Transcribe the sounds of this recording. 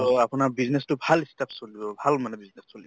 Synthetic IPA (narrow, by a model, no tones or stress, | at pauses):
apʊnaɹbiznestʊbʱalistapsolibɔbʱalmanɛbiznesːolibɔ